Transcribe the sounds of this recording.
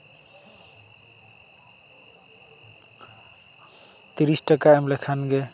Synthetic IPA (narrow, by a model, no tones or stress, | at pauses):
t̪iɾisʈʌkaemlakʰanɡe